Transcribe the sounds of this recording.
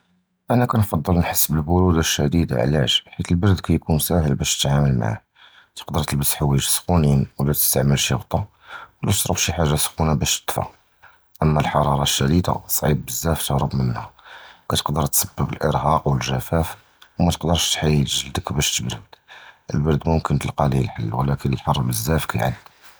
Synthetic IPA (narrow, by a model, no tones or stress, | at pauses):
ʔænækænfɑd̪ˤːəlnħəsːbəlbʊɾud̪aʃːæd̪id̪a̰ʕlæ̰ʃħit̪əlbəɾd̪kæjkunsæhəlbæʃt̪ət̪ʕaməlma̰ʕa̰ | t̪ə̥qd̪əɾˤt̪əlbəsħawiʒsxuninwlæt̪ə̥st̪aʕməlʃəɣt̪ˤɑ | wlæt̪ʃˤɾˤɑfʃiħaʒːasxunabæʃt̪ə̥t̪ˤfɑ̰ | ʔəmːælħɑɾˤɑɾˤɑʃːæɾit̪a̰sˤːʕib̪̚bəzːæft̪əɣɾəbmənhækæt̪ə̥qd̪əɾˤt̪səbːəbəlʔə̰ɾɦɑqwəlʒæfæf | wmæt̪ə̥qd̪əɾˤʃt̪ħajːəlʒəld̪əkbæʃt̪əbɾəd̪̥ʔəlbɑɾd̪mʊmkənt̪əlqɑliəlħəlːwəlækənəlħɑɾˤbəzːæfkæjʕa̰d̪